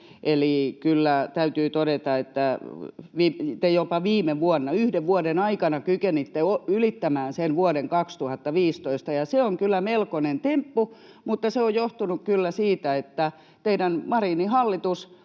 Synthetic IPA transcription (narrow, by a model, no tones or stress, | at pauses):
ʔelikylːæt̪æyt̪yːt̪oɾet̪ɑet̪ːæʋiːt̪ejopɑʋiːmeʋuɔnːɑyhdeʋʋuodenɑikɑnɑkykenit̪ːeoylit̪ːæmæːnsenʋuɔɾeŋkɑkst̪uhɑt̪ːɑʋiːst̪oist̪ɑjɑseoŋkylːˑæmelkonent̪empːu | mut̪ːɑseojjoht̪unukkylːæsiːt̪æet̪ːæ | t̪eiɾænmɑrinihɑlːit̪us